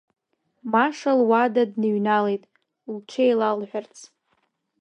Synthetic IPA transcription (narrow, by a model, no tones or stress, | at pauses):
maʂalwadadnɨɥnalejtʼ | lt͡ʃʰejlalħʷᶣart͡sʰ